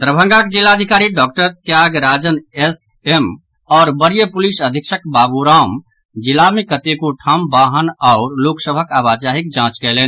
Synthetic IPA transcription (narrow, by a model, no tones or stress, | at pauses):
t̪ɾəbʱə̃ŋɡakd͡ʒilːaəd̪ʱikaːɾiɖɔk̚ʈəɾt̪jaɡɾaːd͡ʒənesem | ɔːɾbəɾijəpulisəd̪ʱikʃəkbabuɾam | d͡ʒilamekət̪ekuʈʰambaɦənɔʊɾloksəbʱəkabad͡ʒaɦikd͡ʒãt͡ʃkɛlɛn